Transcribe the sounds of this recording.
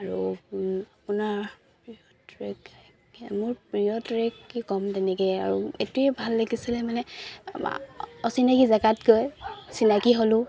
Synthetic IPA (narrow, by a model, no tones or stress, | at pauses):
aɹu | apʊnaɹ | pɹiɔtɹeɡ | mʊɹpɹijɔtɹɛkːikɔmtɛnɛkɛa̰ɹuetuɛbʱalːaɡisilɛmanɛ̰ | ɔsinakizaɡatɡɔjsinakiɦolʊ̃